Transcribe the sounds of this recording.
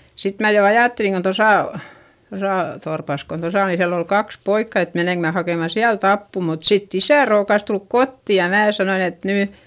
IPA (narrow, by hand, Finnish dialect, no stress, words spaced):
sit mæ jo ɑjɑˑtːeliŋ kon̞ tosɑˑ tosɑˑ torpɑs kon tosɑ o nin siælː ol kɑks poikːɑ et meneŋk mæ hɑkeˑmɑ siælt ɑpːu mut sitː isæˑ roːkɑs tulk kotːi jɑ mæː sɑnoin et nyˑ